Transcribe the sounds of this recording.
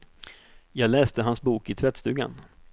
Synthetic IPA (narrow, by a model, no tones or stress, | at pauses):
jɑːɡlɛːst̪əɦansbuːkɪt̪ʰvɛt̪st̪ʉ̟ːɡa̰n